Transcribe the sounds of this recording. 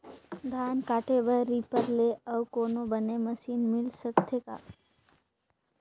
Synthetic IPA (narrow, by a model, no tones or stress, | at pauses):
d̪ʱaːnkaːʈebəɾipəɾleəʋkoːnobəneməsiːnmɪlsəkt̪ʰeka̰ː